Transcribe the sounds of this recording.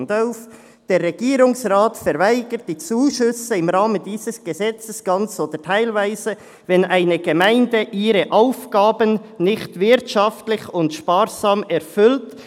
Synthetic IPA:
ndɔlf | d̥eːʁɛɡ̥iːɾʊŋsʁaːtfɛɾvaɪɡ̥ət̚d̥it͡suːʃʏsəɪmʁɑːməndiːzəsɡ̥əzɛt͡səsɡ̥ɑnt͡soːd̥ətʰaɪlvaɪzə | vɛnʔaɪnəɡ̥əmaɪndəʔiːɾəʔaʊfɡ̥aːbənnɪxtvɪɾtʃɑftlɪçʊntʃpaːɾzɑːmɛɾfʏlt

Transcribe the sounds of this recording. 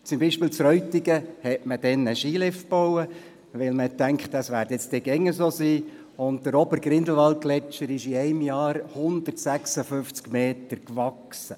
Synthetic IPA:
t͡sʊmbiːʃpɪːlt͡sɾœɥtːiɡəhɛtməd̥ɛnəʃiːlɪfb̥owə | ʋɪlməhɛtːæŋkχt̪əsʋæːɾdjɛt͡stɪɡɛŋːəsoːsiː | ʊnt̚dəɾɔbəɾɡ̥ɾɪnd̪l̩ʋɑlt̚ɡ̥lɛt͡ʃəɾɪʃiæɪmjɑːɾhʊnd̪ərtsæksəfʏft͡skmeːt̪əɾkʋɑksə

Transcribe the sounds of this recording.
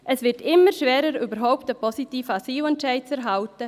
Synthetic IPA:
ʔəsʋɪɾtɪmːəɾʃʋɛːɾəɾybəɾɦɔʊp̚təpʰɔsitiːfasiːwɛntt͡ʃɛɪt͡sɛɾɦaltə

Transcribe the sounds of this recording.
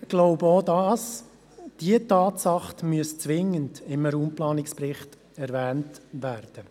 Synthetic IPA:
ɡ̥loʊbəoːdɑs | d̥iətɑːtsɑχtmyəst͡sʋɪŋəndɪməɾuːmplɑːnɪkspɾɪχt | ɛɾʋæːntʋæːɾd̥ə

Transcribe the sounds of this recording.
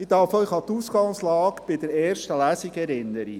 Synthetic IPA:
ɪd̪ɑɾfœʏχɑt̪uːsɡɑŋslɑːkb̥ɪdɛɾɛːɾʃtəlæsikɛɾɪnːəɾḭ

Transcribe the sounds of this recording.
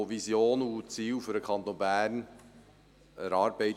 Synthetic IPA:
ovisjoːnut͡siːwfʏɾəkʰɑnt̪oːnbæːrn | əɾɑːɾb̥ɛɪ

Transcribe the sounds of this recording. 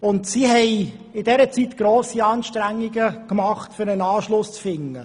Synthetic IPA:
ʊntsiɦɛɪɪdɛɾət͡sit̪ɡ̥ɾoːsiɑːnʃtɾæŋːiɡəkmɑχtfʏɾənɑːʃlʊst͡sfɪŋːə

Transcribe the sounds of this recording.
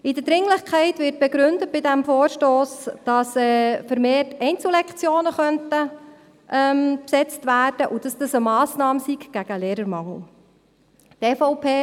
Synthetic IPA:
ɪdəd̥ɾɪŋləχkʰɛɪtʋɪɾt̚b̥ɛɡɾʏndət̚b̥ɪdæmfoːɾʃtoːsd̥ɑsɛfəɾmeːtɛɪnt͡sl̩lɛkt͡sjoːnəχœntə | ʔɛmpsɛt͡stvæːrd̥əʔud̥ɑsd̥ɑsəmɑːsnɑːməsiɡɡ̥æɡ̥əleːɾəɾmɑŋl̩ | tɛfɔʊpʰeː

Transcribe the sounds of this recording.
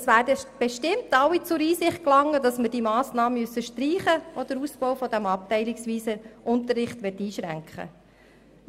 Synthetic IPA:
sʋæːɾdəb̥ɛʃtɪmtɑwit͡sʊɾiːsɪχt̚klɑŋːədɑsməɾd̥imɑːsnɑːməmysːəʃtɾiːχəʔod̥əɾuspɔwfɔd̥̪æmɑp̚tɛɪlɪksʋiːsəʔʊntərːɪχtʋɛtːiːʃɾæ̰ŋkχə̰

